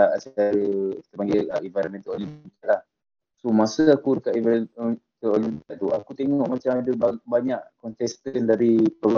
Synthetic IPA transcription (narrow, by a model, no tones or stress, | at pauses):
aʔsət͡ʃaɾəi̥t̪əpaŋɡeaʔivaɾmɛ̃nt̪əolikaʔ̪lah | somasəakudəkaʔivɛt̪əoliaʔt̪uakut̪eŋŋɔʔmat͡ʃamadəbbaɲaʔkɔnt̪ɛst̪əndaɾipəb